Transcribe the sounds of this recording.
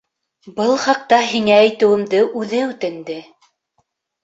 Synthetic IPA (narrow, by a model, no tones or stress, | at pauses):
bɤlˠχɑq̚t̪ɑɦiŋæːjt̪ɘ̆wɘ̆md̪ɘʔʉðɘʉt̪ɘ̆nd̪ɘ